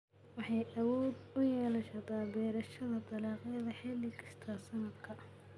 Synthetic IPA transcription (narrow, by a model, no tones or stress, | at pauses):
wɑħɑjɐwɔːd̪ʊjɛːlɐʃɐd̪aːbɛːɾɐʃɐðɐt̪ɑlɑːqɑɐðɐħɛːlɪkʰɐ̥st̪ʰaːsɐnɐd̪kʰɐ